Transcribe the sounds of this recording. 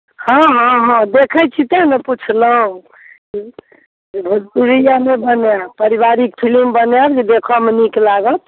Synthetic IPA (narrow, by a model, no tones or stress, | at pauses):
hɔ̃ɦɔ̃ɦɔ̃d̪ekʰət͡ʃʰit̪əmeput͡ʃʰləɦũ | ki | bʱuuɾijanebənjapəɾibaɾik̚pʰilimbənjaɾd͡ʒid̪ekʰɔmeniklaɡət̪